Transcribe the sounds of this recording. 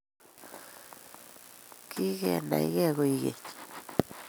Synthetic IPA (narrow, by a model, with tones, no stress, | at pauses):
ki˦ɣe˦˧˨nã̰˨˧ḭ˦ɣe˦˧ɣo˧i˧ɣḛ˨t̪i̥˨